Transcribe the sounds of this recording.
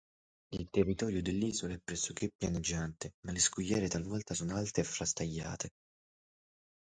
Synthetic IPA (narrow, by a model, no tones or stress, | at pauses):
ilt̪erːit̪ɔːɾjʊd̪ɪlːiːzolaɛpːɾɛsːʊk̟ːɪpːjaned͡ʒːant̪ɪmalɪskujːɛːɾɪt̪alvɔlt̪asɔnalt̪ɪːfɾast̪ajːa̰ːt̪ʰe